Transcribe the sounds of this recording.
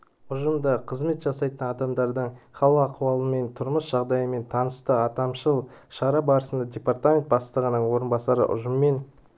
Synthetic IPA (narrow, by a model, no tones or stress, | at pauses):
ʊʒəmd̪əqʰəzme̞t̪ʒɑsɑjt̪ənɑd̪ɑmd̪ɑɾd̪əɴχɑlˠəqɑqʰuwɑlˠəme̞nt̪ʰʊɾməsʒ̥ɑʁd̪ɑjəme̞nt̪ʰɑnəst̪əɑt̪ɑmʃəlˠʃɑɾɑbɑɾəsənd̪ɑdʲe̞part̪amʲent̪̚bɑst̪ˠəʁənəɴwo̞ɾənbɑsɑɾə̰ʔʊ̰ʒəmːe̞n